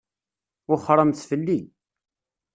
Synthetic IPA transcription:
ʊχɾˤəmθfəlːi

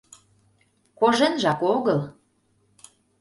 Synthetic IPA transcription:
koʒenʒɑkoɣəl

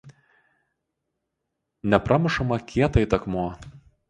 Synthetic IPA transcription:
nʲɛpɾɑmʲɪʃɐmɐkʲʰiɛt̪ɐɪt̪ɐkmuɔ

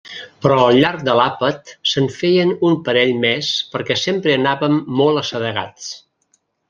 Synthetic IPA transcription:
pɾɔəlˠʎaɾk̚d̪əlapət̪səɱfejənumpəɾɛʎmɛspəɾkɛsempɾəːnaβəmːɔlˠəsəðəɣa̰t͡s

